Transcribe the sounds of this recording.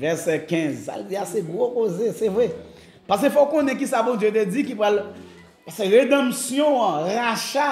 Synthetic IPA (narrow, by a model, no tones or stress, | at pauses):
vɛʁsɛkɛ̃zsa̰ld͡ziasɛɡʁokozesɛvʁɛ | pas̬efɔkõnɛ̃k̬isabɔ̃dd͡zjøt̪ed͡zikipɣal | paseʁed̪ɐ̃msjɔ̃ãʁaʃa